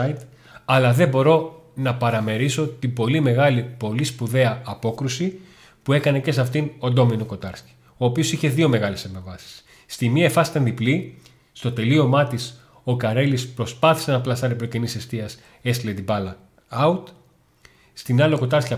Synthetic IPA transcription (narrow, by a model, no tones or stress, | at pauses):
it̪ | ɐlɐðe̞bo̞ɾo̞nɐpɐɾɐme̞ɾiso̞t̪ibo̞lime̞ɣɐlipo̞lispuðe̞ɐɐpo̞kɾusi | pue̞kɐne̞ce̞sɐft̪inond̪o̞minoko̞t̪ɐɾsci̥ | o̞ːpio̞siçe̞ðio̞me̞ɣɐle̞sepevɐsi̥sː | t̪imiɐefɐsi̥t̪ɐnd̪ipli | st̪o̞t̪e̞lio̞mɐt̪is | o̞kɐɾelispɾo̞spɐθi̥se̞nɐplɐsɐɾipɾocenise̞st̪iɐs | e̞st̪led̪ibɐlɐ | ɐut̪ | st̪inɐlo̞ko̞t̪ɐɾsciɐ